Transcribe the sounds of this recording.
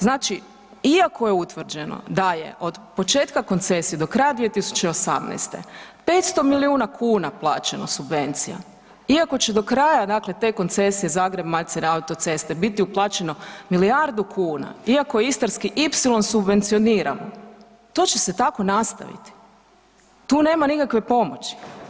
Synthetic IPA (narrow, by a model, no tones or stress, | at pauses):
znaːt͡ʃi | iakʰo̞je̞ut̪ʋr̩d͡ʒe̞no̞̰d̪ajḛʔo̞d̪po̞t͡ʃe̞ːt̪kako̞nt̪se̞sijed̪o̞kɾajad̪ʋije̞t̪isu̥t͡ʃeo̞sa̰mnɛ̰jst̪ḛpe̞ːt̪st̪o̞miliuːnakʰuːnaplˠaːt͡ʃe̞no̞subʋe̞nt̪sija̰ | iako̞t͡ɕe̞d̪okɾajad̪aːkle̞t̪e̞ko̞nt̪se̞sije̞zaːɡɾe̞bmaʎt̪senaut̪o̞t̪se̞st̪e̞bit̪iuplˠaːt͡ʃe̞no̞miliaɾd̪ukʰuːna̰iakojeist̪aɾskiʔipsilˠo̞nsubʋe̞nt̪sio̞niːɾa̰mo | t̪o̞ːt͡ʃe̞se̞t̪ako̞nast̪a̰ʋḭt̪i̥ | t̪uːne̞ːmanikakʋe̞po̞mo̞t͡ɕi̥